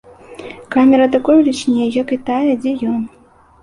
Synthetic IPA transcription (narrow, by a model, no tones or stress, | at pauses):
kamʲɛɾɐt̪akɔjulʲit͡ʃnʲejjakɨt̪ajɐd͡zʲɛjɔn